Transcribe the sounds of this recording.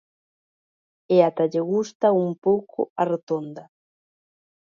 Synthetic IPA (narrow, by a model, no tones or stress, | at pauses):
eat̪aʎeɣust̪aumpowkʰʊ̰aret̪ond̪a